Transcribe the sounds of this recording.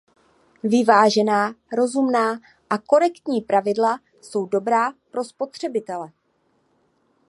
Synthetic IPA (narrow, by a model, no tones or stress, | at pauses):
vɪvaːʒɛnaːɾo̞zumnaː | ʔako̞ɾɛkt̪ɲiːpɾavɪdla | so̞wdo̞bɾaːpɾo̞spo̞t̪r̝̥ɛbɪt̪ɛlɛ